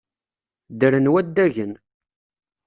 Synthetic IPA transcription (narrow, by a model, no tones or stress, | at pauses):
d̪əɾənwæd̪ːæʝən